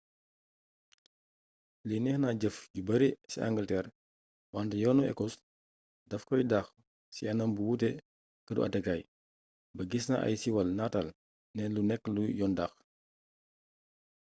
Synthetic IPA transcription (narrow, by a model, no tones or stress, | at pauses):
linɛxnaɟəfɟubɐɾisḭa̰ŋɡəltɛːɾ | wandəjɔːnuɛ̰kɔs | dɐfkɔjdaːx | siɐnɐmbuwutɛ | kədṵʔɐ̰tɛkaːj | bɐɡisnaʔɐ̰jsiwɐlnatal | nɛlunɛkːlujɔndaːx